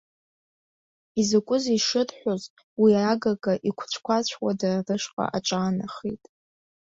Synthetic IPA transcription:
izakʷʼʊziʂɨrħʷᶣoz | wiraɡaɡʼaʔikʷʰt͡ɕʷʰkʷat͡ɕʷʰwadararɨʂqʼa̰ʔaʈ͡ʂʼaːnaχḭtʼ

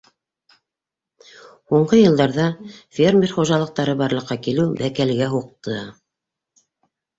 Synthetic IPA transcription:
huɴɢɤjɤ̆lˠd̪ɑɾðɑfʲermʲerχuʒɑlˠɤ̆q̚t̪ɑɾɤbɑɾlˠɤ̆qːɑkilɘwbækælɡæɦuq̚t̪ʰɤ

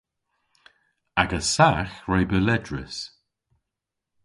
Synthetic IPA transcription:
aɡəsaxɹejbəlɛdɹɪs

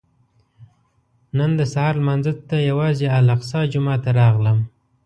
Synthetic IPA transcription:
nənd̪əsahɑɾlmanzət̪ːajawɑzealaqsɑd͡ʒʊmɑt̪aɾɑɣləm

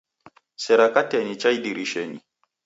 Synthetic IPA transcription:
sɛɾakatɛnit͡ʃajdiɾiʃenḭ

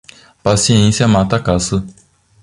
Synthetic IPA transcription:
pasiẽnsjɐmat̪ɐkasɐ

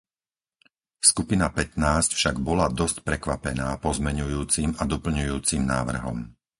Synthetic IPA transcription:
skupinapɛt̪naːscfʃaɡbɔlad̪ɔscpɾɛkʋapɛnaːpɔzmɛɲujuːt͡simad̪ɔpl̩ɲujuːt͡simnaːʋr̩ɦɔ̰m

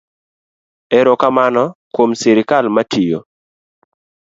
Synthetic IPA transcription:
ɛɾokamanɔkwomsɪɾɪkalmatʰijo̰

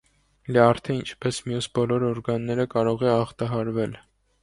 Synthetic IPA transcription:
ljɑɾt̪ʰɛint͡ʃʰpɛsmjusbɔlɔɾɔɾɡɑnːɛɾəkɑɾɔʁɛɑχt̪ɑɦɑɾvɛl

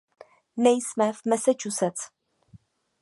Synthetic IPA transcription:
nɛjsmɛvmɛsɛt͡ʃusɛt͡s

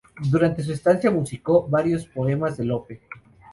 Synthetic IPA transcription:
d̪uɾant̪e̞s̬uest̪ansjamusiko̞βaɾjo̞spo̞e̞mazðe̞lo̞pe̞

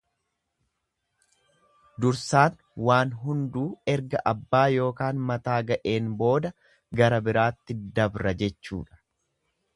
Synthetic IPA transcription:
d̪ʊɾsaːn | waːnɦʊnd̪uːɛɾɡɐʔɐbːaːjo̞ːkaːnmɐt̪aːɡɐʔe̞ːnbo̞ːd̪ɐ | ɡɐɾɐbɪɾaːt̪ːɪd̪ɐbɾɐd͡ʒɛt͡ʃːṵːᶑɐ̥

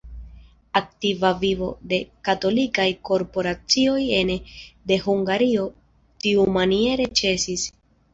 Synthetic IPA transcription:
ak̚tivavivo̞de̞kato̞likajko̞ɾpo̞ɾat͡sio̞je̞nde̞ɦuŋɡaɾio̞ | tiumanie̞ɾe̞t͡ʃe̞sis

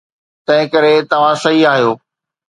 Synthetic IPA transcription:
t̪ɐ̃ɦɪ̃kɐɾet̪ɐʋ̤ãsɐiaːɦijoː

